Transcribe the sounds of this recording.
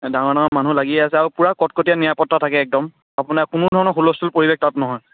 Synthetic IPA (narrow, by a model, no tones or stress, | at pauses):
daŋɔɹdaŋɔmanulaɡiɛasɛaɹupuɹakɔtkotijanijapɔtːatʰakɛːk̚dɔm | apunakunʊdʱɔɹɔnɔxulɔstʰulpoɹibek̚tatnɔɦɔj